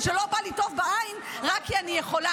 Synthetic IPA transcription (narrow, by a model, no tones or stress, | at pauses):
ʃelo̞balito̞vbaain | ʁakːianijeχo̞la